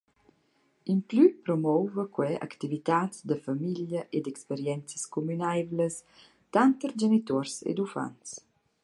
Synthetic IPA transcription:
implypɾɔmɔwvəkwɛʔa̰kt̪ivit̪aːt͡sd̪əfamiljəʔed̪ɛkspeɾjɛnt͡səskumynajvləs | t̪ant̪əɾd͡ʒenit̪ɔɾsḛd̪ufa̰nt͡s

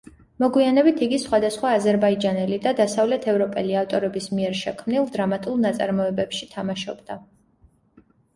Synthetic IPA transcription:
mɔɡwianɛbit̪ʰiɡisχwad̪asχwaːzɛɾbaid͡ʒanɛlid̪ad̪asavlɛt̪ʰɛvɾɔpʼɛliaft̪ʼɔɾɛbismiɛɾʃɛkʰmnilˠd̪ɾamat̪ʼulˠnat̪sʼa̰ɾmɔɛbɛpʃit̪ʰamaʃɔ̰bd̪a

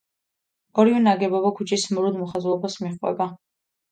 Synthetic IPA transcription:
ɔɾivɛnaɡɛbɔbakʰut͡ʃʼʰismɾud̪mɔχazɔbasmiχʼwɛ̰ba

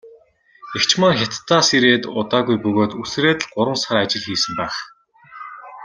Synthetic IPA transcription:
ekt͡ɕmə̆ŋxʲat̪ːaːsiɾeːt̪ʊt̪aːɣujpɵɣoːt̪usreːt̪̆ɮɢʊɾwə̆nsaɾat͡ɕɪ̆ɮxiːsɘ̆mpæːχ

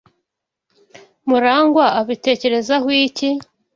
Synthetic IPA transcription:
muɾaːŋɡwaaβite̞ːce̞ɾe̞zahwiːci

